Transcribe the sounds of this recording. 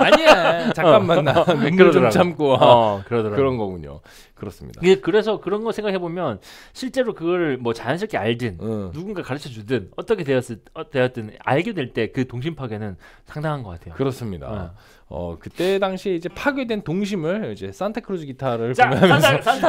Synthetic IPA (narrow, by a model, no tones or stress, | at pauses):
aɲit͡ɕak͈anːanːaeɯɾʌdɾaɡt͡ɕʰamk͈oakɯɾʌdoɾaɯɾʌnɡʌɡuɲo̰ | kɯɾʌs͈ɯmɲḭdakɯnekɯɾe̞sʰʌkɯɾʌnɡʌsʰe̞ŋɡakʰebomjʌnɕʰiɭt͡ɕ͈e̞ɾokɯɡʌɾɯɭmwʌt͡ɕaansʰʌk͈ʰeaɭdɯnːuɡunɡakaɾɯt͡ɕʰʌd͡ʑudɯnʌt͈ʌkʰe̞deʌs͈ɯtejʌt̚t͈ɯna̰ɭɡedwe̞ɭt͈e̞kɯtoŋɕ̬ʰimpʰaɡenɯn | sʰaŋdaŋɦanɡʌk͈atʰe̞jokɯɾʌs͈ɯmɲida̰ | ʌ̰kɯt͈edaŋɕʰieid͡ʑe̞pʰaɡjedwentoŋɕ̬ʰimɯɭid͡ʑe̞s͈antʰakʰɯɾod͡ʑɯɡitʰaɾɯɭkaʌŋɦamjnʌ